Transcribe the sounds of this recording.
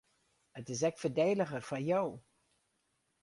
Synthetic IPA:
ətɪs̬ɛk̚fərdeːləɣərfajow

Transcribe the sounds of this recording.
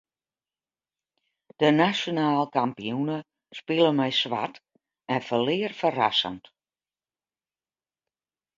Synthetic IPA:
d̥ənasjonaːlˠkampijunə | spɪlˠənmɛjsʋa̰t | ɛnfəlɪːərfəra̰sə̰nt

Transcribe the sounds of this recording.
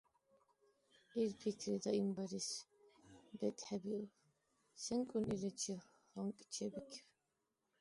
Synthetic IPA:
iɾpʰit̪ʰɾid̪aimbaɾis | bɛt̪ʼħɛbi | sɛŋkʼunilɛt͡ʃʰi | ʁɔŋkʼt͡ʃʰɛbikʰ

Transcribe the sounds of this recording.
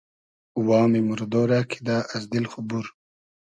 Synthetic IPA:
uwɑːmimuɾd̪oːɾakʰi̥d̪aːʔɐzd̪ilxubuɾ

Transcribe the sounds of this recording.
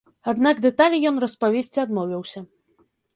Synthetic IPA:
ad̪naɡd̪ɛt̪alʲijɔnrɐspavʲesʲt͡sʲiad̪mɔvʲɐwsʲɐ

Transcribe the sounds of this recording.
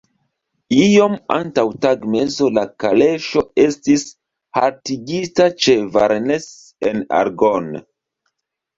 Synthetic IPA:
ijo̞ma̰ntawtaɡme̞zo̞lakale̞ʃo̞e̞stis | ha̰ɾtiɡitat͡ʃeva̰ɾnes | ena̰ɾɡon

